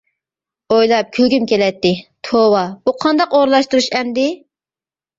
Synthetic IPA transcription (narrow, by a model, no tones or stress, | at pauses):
ojlˠɑp̚kʲʰylɡʲymkʲʰelɛt̪ːɪt̪ʰowɑb̥uqʰɑnd̪ɑqoɾlˠɑʃt̪uɾuʃɛmd̪ɪ